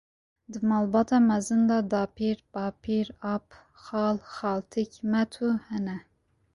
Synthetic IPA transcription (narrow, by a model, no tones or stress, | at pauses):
d̪ɨmɑːlbɑːt̪ʰɑːmɛzɨnd̪ɑːd̪ɑːpʰiːɾpɑːpʰiɾɑːp | xɑːlxɑːlt̪ʰikmɛt̪ʰuːhɛnɛ